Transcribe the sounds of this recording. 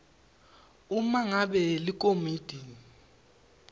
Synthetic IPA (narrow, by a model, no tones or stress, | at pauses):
umaŋaɓɛlik̬ʼomid̥ʱini